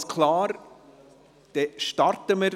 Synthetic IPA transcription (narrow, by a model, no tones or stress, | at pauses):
skʰlɑːɾ | d̪̥ɛʃtɑɾtəməɾ